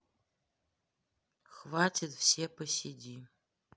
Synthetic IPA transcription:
xvaːtʰʲetfsepʰɐsidʲiː

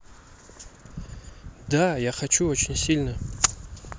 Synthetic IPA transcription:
dajaχat͡ʃʰuot͡ʃʰɪnʲsʲilʲna

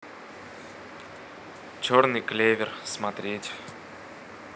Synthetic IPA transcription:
t͡ɕornɨjklʲevʲɪrsmɐt̪ɾʲetʲ

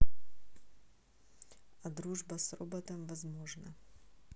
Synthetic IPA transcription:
ɐd̪ɾuʐbɐsrobət̪əmvɐzmoʐnə

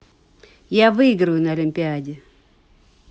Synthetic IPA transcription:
javɨɪɡɾəjʊnɐɐlʲɪmʲpʲɪadʲɪ

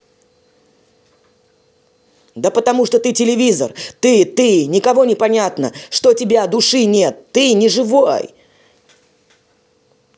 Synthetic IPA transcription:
d̪əpət̪ɐmuʂt̪ot̪ɨtʲɪlʲɪvʲizə̰rt̪ɨt̪ɨnʲɪkɐvo̞nʲɪpɐnʲat̪nəʂt̪otʲɪbʲad̪ʊʂɨnʲe̞t̪ːɨnʲɪʐɨvoj

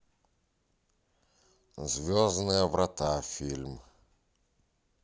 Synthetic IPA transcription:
zvʲoznɨjəvɾʔɐt̪afʲilʲm

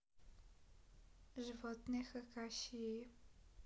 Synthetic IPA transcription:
ʒivɔt̪nɛxəkaʃie

